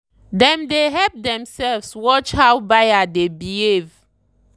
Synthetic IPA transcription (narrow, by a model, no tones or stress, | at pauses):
dɛ̃mdeɦɛlp̚dɛ̃msɛlvswɔt͡ʃhawbajadebihev